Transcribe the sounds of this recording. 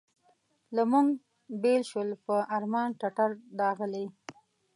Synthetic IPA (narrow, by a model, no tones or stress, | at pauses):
lamuŋɡ | belʃwəlpəʔaɾmɑnʈaʈaɾɖɑɣəle